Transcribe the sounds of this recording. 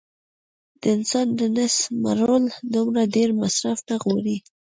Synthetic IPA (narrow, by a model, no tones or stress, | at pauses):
d̪̥əɪnsɑnd̪ənɪsma̰ɾold̪umɾaɖeɾmasɾafnaɣoɾi